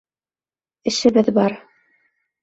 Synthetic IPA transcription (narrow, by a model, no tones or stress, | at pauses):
ɘ̆ʃɘ̆βɘðbɑɾ